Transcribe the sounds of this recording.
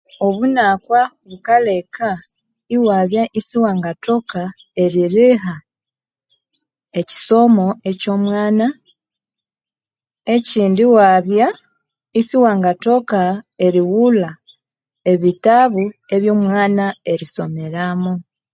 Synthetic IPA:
o̞βunakwa | βukalekʰa | iwaːβjaʔisiwaːŋɡato̞ka | e̞ɾiɾiɦa | eci̥so̞mo̞eco̞ːmwaːna | eciːndiwaβja | isiwaːŋɡato̞kae̞ɾiwula | e̞βitaβue̞βjo̞ːmwaːnae̞ɾiso̞me̞ɾamu

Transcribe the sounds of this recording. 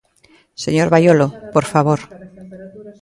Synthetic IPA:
seɲoɾβajolopoɾfaβoɾ

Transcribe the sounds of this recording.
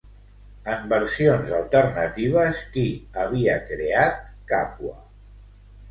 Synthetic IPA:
əmbəɾsionzəlˠt̪əɾnət̪iβ̞əskiəβ̞iəkɾeat̪̚ka̰pwə̰

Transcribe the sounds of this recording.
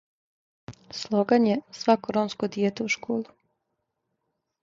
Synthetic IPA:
slˠoɡaɲesʋakoɾonskod̪jeːt̪euʃkoːlˠu

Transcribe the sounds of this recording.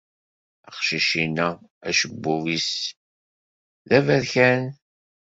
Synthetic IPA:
ɑqʃiʃinææʃəbːuvis | ðævæɾçæn

